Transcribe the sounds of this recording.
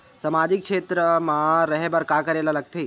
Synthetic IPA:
samad͡ʒikʃet̪ɾəmãɾəɦebəɾkakəɾelaləɡ̚t̪ʰi

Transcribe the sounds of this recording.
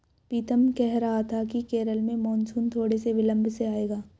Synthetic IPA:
piːt̪əmkɛɦɾɐɦat̪ʰakikeːɾəlmẽmɔːnsuːnt̪ʰoːɽeseʋɪlə̃mbʱseaːeːɡaː

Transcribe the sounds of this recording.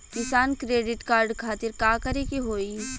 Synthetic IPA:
kɪsaːnkɾeːɖɪʈkaːɾɖkʰaːt̪ɪɾkaːkɐɾekiɦoːi

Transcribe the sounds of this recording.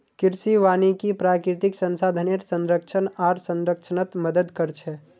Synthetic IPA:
kiɾsiʋaːnikipɾaːkɾit̪iksənsad̪ʱəneɾsə̃nɾəkt͡ʃʰənaːɾsənɾəkt͡ʃʰənət̪məd̪əd̪kəɾt͡ʃʰɛ

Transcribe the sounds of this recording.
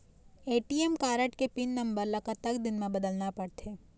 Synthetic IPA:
eːʈiɛmkaːɾəʈkepɪnːɐ̃mbəɾlɐkət̪ɐkd̪ɪnmẽbɐd̪əlnapɐɽt̪ʰeː

